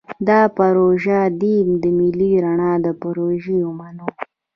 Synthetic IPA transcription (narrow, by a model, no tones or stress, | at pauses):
d̪ɑpaɾoʒad̪imd̪əmiliɾaɳɑd̪əpaɾoʒiʊmano